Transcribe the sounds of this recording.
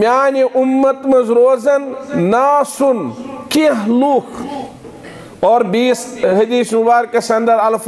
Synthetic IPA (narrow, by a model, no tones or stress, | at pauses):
mjaːniʔumːɐt̪mɐzɾoːzɐnːaːsunkiɦluːkʰ | oːɾbiːsɦɐd̪iːsnubaːɾkɐsɐnd̪ɐɾɐlf